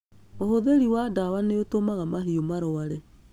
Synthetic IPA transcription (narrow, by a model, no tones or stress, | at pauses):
ohoðeɾiwadawaneotomaɣamaɦiomaɾɔaɾɛ